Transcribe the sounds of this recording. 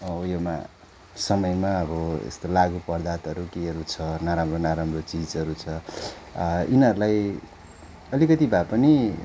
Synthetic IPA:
ʌjoma̰ | sʌmʌjmaʌbʌḛst̪olaɡupʌrd̪at̪ʌɾukiʌɾut͡sʰʌnaɾamronaɾamrot͡sid͡zʌɾut͡sʰʌ | inʌɾulaj | ʌlikʌt̪ibapʌni

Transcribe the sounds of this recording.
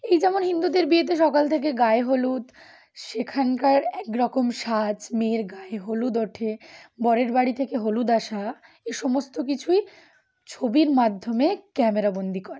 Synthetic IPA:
ejd͡ʑɛmonɦind̪ud̪eɾbiet̪̬eʃɔkalt̪ʰek̬eɡaeɦolut̪ | ʃekʰankaɾɛkɾɔkomʃad͡ʑmeɾɡaeɦolud̪oʈʰebɔɾeɾbaɽit̪ʰekeɦolud̪aʃa | eʃɔmost̪okit͡ɕʰuj | t͡ɕʰobiɾmad̪ʱːomekɛmeɾabond̪ʱikɔɾe

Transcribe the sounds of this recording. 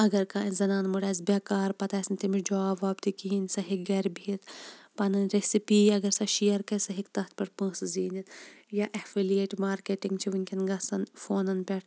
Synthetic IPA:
ɐɡɐɾkaːĩzɐnaːnmuɽaːzbeːkaːɾpɐt̪aːsɐnʲt̪imid͡ʒaːbaːbt̪ikiɦinsɐɦiɡɐɾbʱiit̪pɐnɐnɾesipiːɐɡɐɾsɐʃijɐɾkɐsɐɦikt̪ɐt̪̚ʰpɐɾpə̃ːsziːnɐnjaʔɐfilieːʈmaːɾkeːʈiŋɡt͡ʃʰiʋunʲkʰʲɐnɡɐsɐnfoːnɐnpʲɐʈʰ

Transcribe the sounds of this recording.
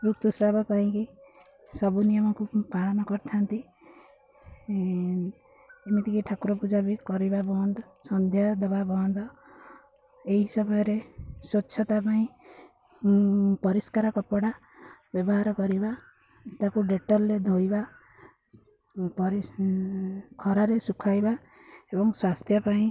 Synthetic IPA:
pɾukt̪usɾabɔkaɦĩki | sɔbunijɔmɔkupaɭɔmɔkɔɾt̪ʰant̪i | enit̪ʰikiʈʰakuɾɔpud͡ʒabikɔɾibabɔnd̪ɔsɔnd̪ʱjad̪ɔbabɔnd̪ɔ | eɦisɔbɔjɔɾesoːt͡ʃʰɔt̪apaĩ | pɔɾiskaɾɔkɔpɔɽa | bjɔbɔɦaɾɔkɔɾiba | ʈakuɖeʈɔlɾed̪ʱojba | pɔɾi | kʰɔɾaɾesukʰajba | ebɔŋswast̪ʰjɔpaĩ

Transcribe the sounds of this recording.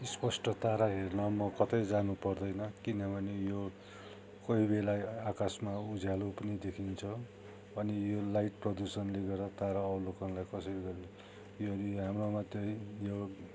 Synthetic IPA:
ispʌsʈʌt̪aɾaɦernʌmʌkʌt̪ʌjd͡zanupʌrd̪ʌjnʌkinʌbʌnejo | kʌɦibelaakasmaud͡zʱalopʌnid̪ekʰint͡sʰʌ | ʌnijolajʈprʌd̪usʌnleɡʌʌt̪aɾaʌlokʌnlajkʌsʌɾiɡʌɾo | oʌɾiɦamromat̪jejo

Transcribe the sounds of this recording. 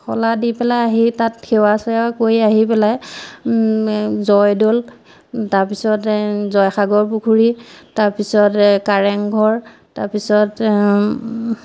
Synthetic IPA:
xɔ̰ladipɛlajaɦitatxʰɛwasɔjakojaɦipɛlaj | zɔjdol | taɹpisɔtzɔjxaɡɔɹpukʰuɹitaɹpisɔtkaɹɛŋɡʱɔɹ | taɹpisɔt

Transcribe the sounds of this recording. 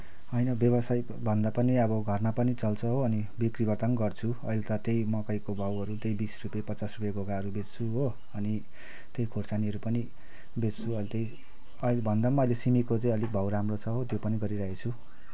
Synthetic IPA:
ʌjnʌbjʌbʌsaj | bʱʌnd̪apʌniʌbʌɡʱʌrmapʌnit͡sʌlt͡sʰʌɦoːni | bikribʱʌrt̪ʌnɡʌrt͡sʰu | ʌ̰jlet̪ʌt̪ejmʌkʌjkobʱʌwʌɾut̪ejbisrupjapʌt͡sasrupjaɡʱoɡaɦʌɾubet͡st͡sʰuɦo | ʌni | t̪ejkʰorsaniʌɾupʌni | bet͡st͡sʰuʌjlet̪ej | ʌjlbʱʌnd̪amʌʌjlesimikot͡sãĩʌlik̚bʱʌwɾamrot͡sʰʌɦot̪jopʌniɡʌɾiɾʌɦet͡sʰu

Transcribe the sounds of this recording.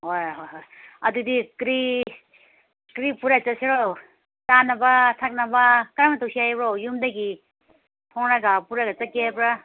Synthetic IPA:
ɦojɦojɦoj | ɐd̪ud̪ikɾi | kɾipuɾat͡saseɾow | t͡sanabatʰak̚nabakɾamat̪ɔwsiajbɾowjumd̪aɡi | pʰɔŋɾaɡapuɾaɡat͡sakepɾa

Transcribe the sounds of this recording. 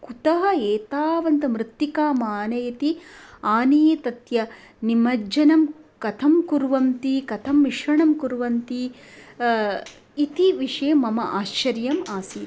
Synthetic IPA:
kut̪ɐɦɐeːt̪aːʋɐnt̪ɐmɾɪt̪ːjikaːmaːnɐjɐt̪iaːnijet̪ɐt̪jɐ | nimɐd͡ʒɐnɐmkɐt̪ʰɐmkuɾʋɐmt̪ikɐt̪ʰɐmʋiʂɾɐɳɐmkuɾʋɐnt̪i | it̪iʋiʂɐjɐmɐmɐʔaːʃt͡ʃɐɾjɐmaːsiː

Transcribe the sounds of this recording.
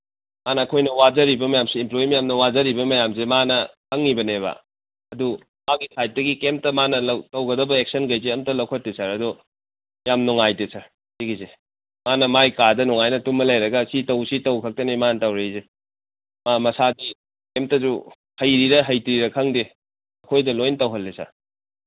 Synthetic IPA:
manɐːkʰojnɐwazɐɾibɐmɐjamsiːmploimɐjamnɐwazɐɾibɐmɐjamsemanɐkʰɐŋnibɐneβa̰ | ɐdu | maɡisʰajt̚dɐɡikemp̚tɐmanɐlɐwtɐwɡɐdɐbɐek̚sɐnɡɐjzeɐmtɐlɐwkʰotːesʰaɾɐdɔ | jamnuŋajdesʰaɾ | siɡize | manɐmajkadɐnuŋajnɐtumːɐlajɾɐɡɐsitɐwsitɐwkʰɐk̚tɐnemanɐtɐwɾɐize | mamɐsadi | kemp̚tɐzu | hɐjɾiɾɐɦɐjtɾiɾɐkʰɐŋde | ɐkʰojdɐlojntɐwɦɐlːesa̰

